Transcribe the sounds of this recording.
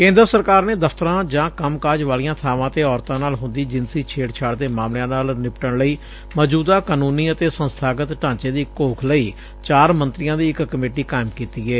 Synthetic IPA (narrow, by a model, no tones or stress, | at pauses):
kẽːnd̪əɾsəɾkaːɾneːd̪əfʰt̪əɾãːd͡ʒãːkəmkaːd͡ʒʋaːlijãːt̪ʰaːʋãːt̪eːɔːɾt̪ãːnaːlɦʊ̃nd̪iːd͡ʒɪnsiːt͡ʃʰeːɽt͡ʃʰaːɽd̪eːmaːmljãːnaːlnɪpʈəɳləiː | məd͡ʒuːd̪aːkaːnuːniːət̪eːsənst̪ʰaːɡət̪ʈãːt͡ʃeːd̪iːkoːkʰləiː | t͡ʃaːɾmənt̪ɾɪjãːd̪iːɪkkəmeːʈiːkaːɪmkiːt̪iːɛː